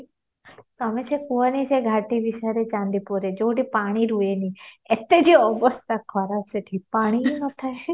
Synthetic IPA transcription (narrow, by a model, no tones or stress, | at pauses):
t̪ɔmet͡ʃʰekuənit͡ʃʰeɡʱaʈibiʃaɾet͡ʃãnd̪ipuɾed͡ʒowʈipaɽ̃iɾueniet̪ed͡ʒiɔbɔst̪akʰɔɾaseʈʰipaɽ̃inɔt̪ʰae